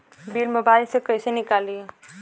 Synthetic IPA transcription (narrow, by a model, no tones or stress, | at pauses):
bilmebalisekəjsenikali